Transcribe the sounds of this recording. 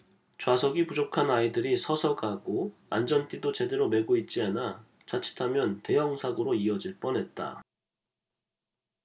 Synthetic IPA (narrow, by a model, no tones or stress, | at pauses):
t͡ɕwas̬ʰʌɡipud͡ʑokʰanaidɯɾisʰʌsʰʌɡaɡoand͡ʑʌnt͈idot͡ɕe̞de̞ɾome̞ɡoit̚t͡ɕ͈iana | t͡ɕat͡ɕʰi̥tʰamjʌnte̞jʌŋsʰaɡɯɾoiʌd͡ʑiɭp͈ʌnɦe̞t̚t͈a̰